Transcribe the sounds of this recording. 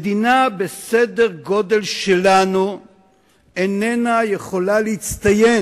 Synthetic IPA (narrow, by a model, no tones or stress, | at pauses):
d̪inabesede̞ʁɡo̞de̞lʃelanu | enenaje̞χo̞laleit͡st̪aje